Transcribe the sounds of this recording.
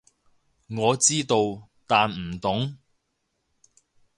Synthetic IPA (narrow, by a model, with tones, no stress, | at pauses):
ŋɔː˨˧t͡siː˥t̪o˧w | t̪aː˨nm̩˨˩t̪ʊ˨˥ŋ